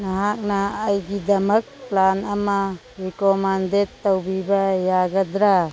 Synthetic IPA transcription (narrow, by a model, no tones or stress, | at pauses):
naɦak̚naːjɡidamək̚planama | ɾikɔmandet̪ːawbibajaɡad̪ɾa